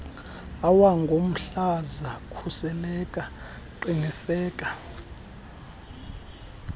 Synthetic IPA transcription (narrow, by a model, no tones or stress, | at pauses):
awaŋɡʱom̩ɬazakʰusɛlɛkʼa | ǃiŋisɛːkʼa